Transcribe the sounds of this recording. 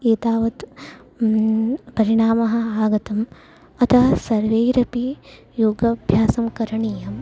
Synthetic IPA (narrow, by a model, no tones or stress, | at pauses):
eːt̪aːʋɐt̪ | pɐɾiɳaːmɐɦɐ̆aːɡɐt̪ɐm | ɐt̪ʰɐɦɐsɐɾʋeːɾɐpi | joːɡɐbʱjaːsɐmkɐɾɐɳijɐm